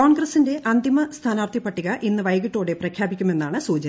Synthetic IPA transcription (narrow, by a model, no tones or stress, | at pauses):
oːɳɡrɐsinde̞ʔɐnd̪imɐst̪ʰaːnaːrt̪ʰipɐʈːiɣɐʔinːɨʋɐjɣiʈːo̞ːɽeprɐkʰjaːbikʲːume̞nːaːɳɨsuːt͡ɕɐɐ